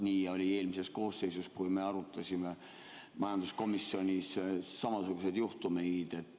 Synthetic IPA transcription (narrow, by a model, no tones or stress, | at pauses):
nʲiːo̞lʲie̞ːlmise̞sko̞ːsːejsuskujme̞ɑɾut̪ːˑɑsʲime | mɑjɑnd̪̥usko̞misːio̞nʲisːɑmɑsuɡ̥use̞d̪̥juht̪umed̪e̞t̪ːˑ